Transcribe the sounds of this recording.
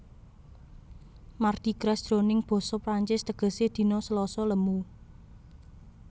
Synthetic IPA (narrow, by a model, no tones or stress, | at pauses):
mard̪̥i̤ɡ̥ɾasd̪̥ɾo̤nɪŋb̥ɔ̤sɔpɾaɲt͡ʃɪst̪əɡ̥ə̤sed̪̥i̤nɔsəlɔsɔləmu